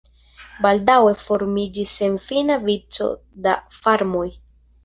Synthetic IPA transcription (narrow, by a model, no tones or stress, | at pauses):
baldawe̞fo̞ɾmid͡ʒise̞nfinavit͡so̞̰da̰faɾmo̞j